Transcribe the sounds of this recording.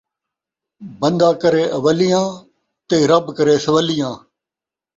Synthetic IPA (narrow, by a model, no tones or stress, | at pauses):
bənd̪ãːkəɾeːʔəʋəlijãː | t̪eːɾəbkəɾeːsəʋəlijãː